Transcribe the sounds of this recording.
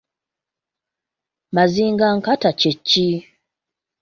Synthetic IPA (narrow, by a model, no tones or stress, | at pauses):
maziːŋɡaŋkatacecːi